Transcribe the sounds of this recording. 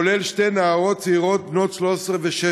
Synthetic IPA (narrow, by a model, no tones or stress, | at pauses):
olelʃtejnaaʁot̪t͡seiʁo̞t̪̚bnot̪ʃloseʁveʃe